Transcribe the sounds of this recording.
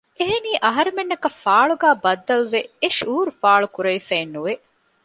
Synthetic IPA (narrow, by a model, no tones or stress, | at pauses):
eɦeniːʔɐɦɐɾemenːɐkɐfaːɭuɡæːbɐd̪ːɐlʋeeʃuːɾufaːɭukuɾɐifeːnːuʋe